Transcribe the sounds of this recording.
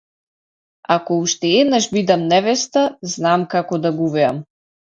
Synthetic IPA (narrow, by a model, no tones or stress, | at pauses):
akɔuʃt̪ɛɛd̪naʒbid̪amnɛvɛst̪aznamkakɔd̪aɡuvɛa̰m